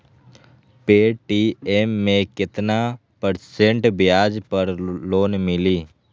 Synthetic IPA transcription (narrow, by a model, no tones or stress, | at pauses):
peːʈiemːẽkɪt̪na | pəɾsẽɳʈbɪjaːd͡ʒpəɾloːnmɪliː